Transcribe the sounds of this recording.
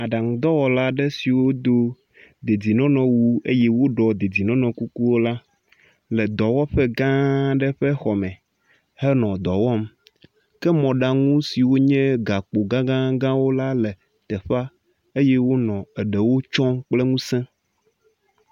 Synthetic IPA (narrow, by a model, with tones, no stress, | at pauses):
a˨ɖa˨ŋ˨d̪ɔ˦wɔ˨la˦ɖɛ˦si˨wo˦d̪o˦ | d̪e˨d͡zi˨nɔ̃˦nɔ̃˨wu˦ḛ˦jɛ˦wo˦ɖɔ˨d̪e˨d͡zi˨nɔ̃˦nɔ̃˨ku˦ku˦wo˦la˦ | lɛ˨d̪ɔ˨wɔ˦ɸɛ˦ɡã˦ɖɛ˦ɸɛ˦xɔ˨mɛ̃˨ | hɛ˦nɔ̃˨d̪ɔ˨wɔ˦m | kɛ˦mɔ̃˨ɖa˦ŋũ˦si˨wo˦ɲɛ̃˦ɡa˨k͡po˨ɡã˦ɡã˦ɡã˦wo˦la˦lɛ˨ | t̪ɛ˨ɸa˦ | e˦jɛ˦wo˦nɔ̃˨ɛ˨ɖɛ˨wo˦t͡ʃɔ̃˦mk͡plɛ˦ŋũ˦sɛ̃˦